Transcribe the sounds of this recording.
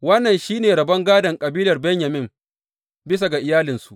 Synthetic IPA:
wɐ˦nːɐ˨nʃiː˦neː˨ɾɐ˨bɐ˦ŋɡaː˦dɐ˨ŋkʼɐ˨biː˦lɐ˨rbɛ˦ɲjɐ˨mɪ˦m | bɪ˦s̬a˨ɡa˨ʔɪ˨jaː˦lɪ˨nsu˨ʔ

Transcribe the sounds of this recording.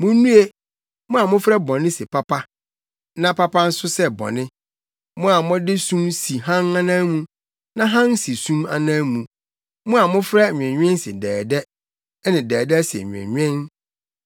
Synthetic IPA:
mʊ̃˦nũ˦e˦ | mʊ̃˦a˨mʊ̃˦fɾɛ˦bɔ̃˨nɪ̃˦sɪ˨pʰa˦pa˦ | nã˦pʰa˦pa˦n̩˦sʊ˦sɛ˦bɔ̰̃˨nɪ̃˦ | mʊ̃˦a˨mʊ̃˦dɪ˦sũ˦msi˨ɦã˦nã˦nã˦mũ˦ | nã˦ɦã˦n˦si˨sũ˦ma̰˨nã˦mũ˨ | mʊ̃˦a˨mʊ̃˦fɾɛ˦˨ɲᶣ˨ɛ̃˨ɲᶣ˦ɛ̃˦n˦sɪ̰˨dɛː˨dɛ˦ | ɛ˦nɪ̃˨dɛː˨dɛ˦sɛ̰˨ɲᶣ˨ɛ̰̃˨ɲᶣ˦ɛ̃˦n

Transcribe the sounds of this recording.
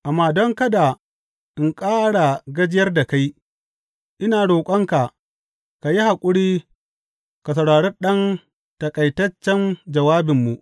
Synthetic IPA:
ʔa˨mːaː˦dɔ˦ŋkɐ˦da˨ | ʔɪ˨ŋkʼaː˦ɽa˨ɡɐ˦d͡ʒɪ˦jɐ˦rda˨ka˦j | ʔɪ˦naː˨ɽoː˨kʷʼɐ˦ŋka˨ | ka˨ji˦ha˨kʷʼʊ˦ɽiː˦ | ka˨s̬ɐ˨wɽaː˨ɽɛ˦rɗɐ˦n | tɐ˨kʼɐ˨jtɐ˦t͡ʃːɛ˦nd͡ʒɐ˨waː˦bɪ˨mːu˨ʔ

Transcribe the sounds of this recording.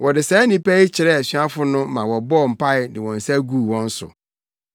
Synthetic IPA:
wʔɔ˨dɪ˨sɛ˨˦nĩ˦pæ˦ɪ˦t͡ɕʰɪ˨ɾɛ˦˨ɕɥa˦fʊ˦nʊ̃˦mã˨wɔ˨bɔ˦˨m̩˨pʰa˦ɪ˨dɪ˨wɔ̃˨n̩˨sæ˦ɡu˦˨wɔ̃˦n̩˦sʊ̰˨

